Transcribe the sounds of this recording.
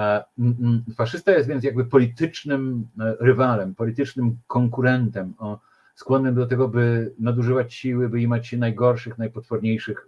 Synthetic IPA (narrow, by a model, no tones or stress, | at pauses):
faʂɘst̪ajɛst̪vʲjɛnt̪jaɡ̚bɘpɔlʲit̪ɘt͡ʂnɘmɾɘvalɛmpɔlʲit̪ɘt͡ʂnɘmkɔŋkuɾɛnt̪ɛm | skwɔnːɘmd̪ɔt̪ɛɡɔbɘnad̪uʐɘvat͡ɕɕiwɘbɘimat͡ɕnajɡɔɾʂɘxnajpɔt̪fɔɾɲejʂɘx